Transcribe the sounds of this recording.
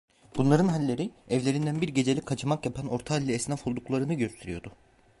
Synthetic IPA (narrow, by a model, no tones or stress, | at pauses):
b̥unlˠaɾɯnɦalʲːe̞ɾiɛvlʲe̞ɾind̪ænbiɾɟe̞d͡ʒe̞lʲikʰːat͡ʃʰɯmakjapʰano̞ɾt̪ʰalʲːiɛsnafolˠd̪uklˠaɾɯnɯɟøst̪ʰe̞ɾijo̞d̪ʊ